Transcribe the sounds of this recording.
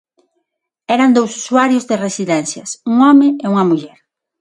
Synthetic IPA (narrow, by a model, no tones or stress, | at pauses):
ɛɾand̪owsu̥suaɾjʊzðeresiðɛnθjɐsuŋɔmɪeuŋɐmuʎɛɾ